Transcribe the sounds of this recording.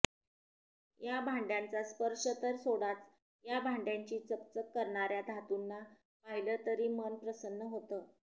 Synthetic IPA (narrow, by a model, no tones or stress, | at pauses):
jabʱaɳɖjãnt͡saspəɾʂət̪əɾsoɽat͡s | jabʱaɳɖjaɲt͡ɕiːt͡səp̚t͡səkːəɾɳaɾjad̪ʱat̪unːa | paɦilət̪əɾiːmənpɾəsənːəɦot̪əː